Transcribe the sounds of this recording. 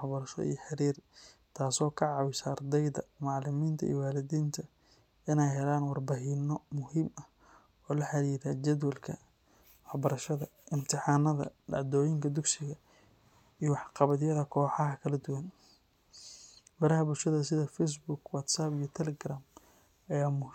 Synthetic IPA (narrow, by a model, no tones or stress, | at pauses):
ħbɐɾɐʃɔ̰ḭjɔħɑɾiːr | t̪ʰaːsɔːkʰɐʕɑwɪsɐrd̪ɛjðɐ̰mɑʕlɪmiːnt̪ʰɐʔḭːwaːlɪðiːnt̪ʰɐ | ɪnɛjɦɛlaːnwɑrbaɦɪnɔmʊhiːmɐh | ɔːlɐħɑɾiːɾɐd͡ʒɐd̪wɐlkʰɐ | wɑħbɐɾɐʃɐðɐʔɪmt̪ʰɪħɑːnɐðɐ̰ɐd̪ɔːjɪŋkʰɐd̪ʊɡsɪɣɐ | ijɔwɑħqɑβɐðɪjɐðɐkʰɔːħɑɦɐkʰɐlɐd̪ʊwɐn | mɐɾɐɦɐbʊlʃɐðɐsɪðɐfɛjs̬bʊɡwɐt̪sabijɔt̪ʰɛlɛɡraːm | ɐjaːmʊ